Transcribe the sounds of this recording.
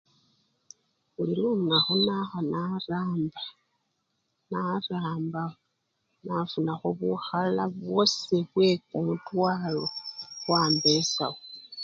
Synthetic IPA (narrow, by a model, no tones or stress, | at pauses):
uliɾuŋaxunaxanaɾaːmba | naɾaːmba | navunaxoβuxalaβwo̞siβwe̞kumutwaːloβwaːmbesa̰wo